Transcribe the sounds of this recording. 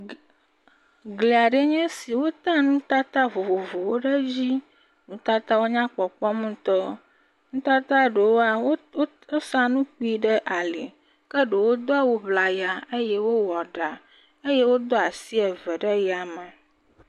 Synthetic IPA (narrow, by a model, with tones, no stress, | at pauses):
ɡle˨a˨ɖe˦ɲɛ̃˦si˨wo˦t̪ã˦nũ˦t̪a˦t̪a˦vo˨vo˨vo˨wo˦ɖe˦d͡ʑi˦ | nũ˨t̪a˦t̪a˦wo˦ɲã˦k͡pɔ˨k͡pɔ˦mũ˦t̪ɔ˦ | ŋ̩̃˦t̪a˦t̪a˦ɖe˨wo˦a˨wo˦ | o˦sã˦nũ˦k͡pi˦ɖe˦ʔa˨li˨ | kə˦ɖe˨wo˦d̪ɔ˦a˨wo˦βla˨ja˨e˦je˦wo˦wɔ˨ɖa˨ | e˦je˦wo˦d̪ɔ˦a˨si˦ɛ˨vɛ˨ɖə˦ja˨me˨